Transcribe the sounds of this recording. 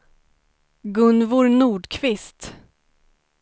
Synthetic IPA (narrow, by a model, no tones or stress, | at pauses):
ɡɵnvʊɾnuːɖkʰvɪst̪